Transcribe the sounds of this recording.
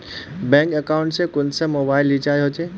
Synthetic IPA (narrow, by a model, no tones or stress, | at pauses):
bɛ̃ːŋkɐkaʊ̃ɳʈsẽkʊnsəmoːbaːɪlːit͡ʃaːjɦot͡ʃeː